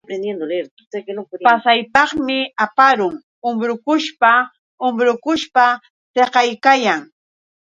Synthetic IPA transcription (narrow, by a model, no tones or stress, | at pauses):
pɾend̪jend̪oleɾt̪ | eknopasajpɑχmɪapaɾʊŋ | ʊmbɾʊkʊʃpa | ʊmbɾʊkʊʃpa | t̪eqɑjkajaŋ